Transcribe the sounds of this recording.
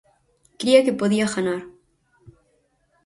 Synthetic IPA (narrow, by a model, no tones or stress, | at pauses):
kɾiakepoðiaxanaɾ